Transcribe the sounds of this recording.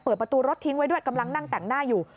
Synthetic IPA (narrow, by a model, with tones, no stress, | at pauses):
pɤː˨˩pɾa˧t̪uː˧ɾo˦˥t̪ʰːi˦˥ŋwa˦˥jdu˥˩əjka˧mla˧ŋna˥˩ŋt̪ɛ˨˩ŋnaː˥˩juː˨˩